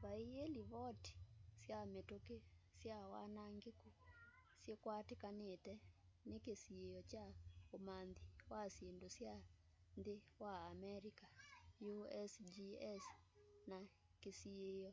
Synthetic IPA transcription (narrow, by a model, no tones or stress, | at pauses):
βaieliβɔti̥sjametokesjawa̰naŋɡeku | sjekwatekanetɛnekesiejɔt͡ʃaomanðiwasjendosja | nðewaːmɛɾikajuɛsd͡ʒiɛs | na | kesiejɔ